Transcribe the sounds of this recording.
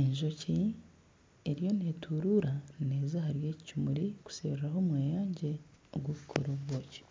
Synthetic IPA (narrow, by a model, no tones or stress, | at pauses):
eɲʒo̞ci | eɾjo̞neːtʰuɾuːɾaneːzahaɾje̞ːccumuɾiku̥sḛβɾaɦo̞mweːjaːɲɟe̞ | o̰ɡwoβukʰoɾoβwoːce̥